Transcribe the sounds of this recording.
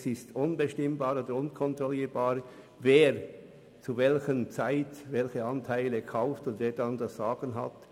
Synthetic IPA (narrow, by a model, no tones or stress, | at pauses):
sɪstʔʊnbəʃtɪmbaːɾoːdəɾʊnkʰɔntɾʁɔliːɾbaːʁ | veːʁ | t͡suvɛlçənt͡saɪtvɛlçəɑntʰaɪləkʰaʊftʊndveːɐdɑndɑsz̥aːɡ̥ənɦɑ̰t